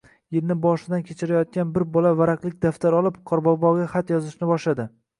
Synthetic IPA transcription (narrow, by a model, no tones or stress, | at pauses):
jeɾnɪbɒʃɪd̪ankʲʰet͡ʃʰɪɾajɒt̪̚kʲanbɪɾbɒlavaɾaqlˠɪkʲd̪aft̪aɾɒlˠɪpqʰɒɾbɒbɒɡʲaχat̪jɒzɪʃnɪbɒʃlad̪ɪ